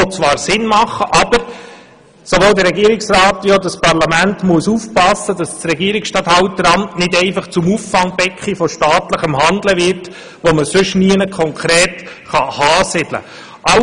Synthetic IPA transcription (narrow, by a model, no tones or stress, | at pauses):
ɔt͡sʋɑːɾsɪnmɑχːəʔɑb̥əɾ | soʋoːld̪əɾːɛɡiəɾɪksɾɑːt̪ʋjod̪ɑspɑɾlɑmæntmuəsuːfpɑsːəd̥ɑssɾɛɡiːɾiksʃtɑt̪hɑʊtːəɾɑmtnɪdɛɪfɑχt͡sʊmuːfːɑŋb̥ɛkχifɔʃtɑːt̪ləχəmɦɑnd̪ləvɪɾt | ʋoməsʏʃniənəkʰɔŋkʰɾɛːt | χɑhɑːsɪd̥lə̰ | ʔɑ